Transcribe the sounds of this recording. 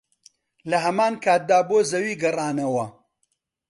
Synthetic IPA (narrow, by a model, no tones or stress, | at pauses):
lɐɦɐmaːnkʰaːt̪̚d̪aːboːzɐwiːɡɐrˤaːnɐwɐ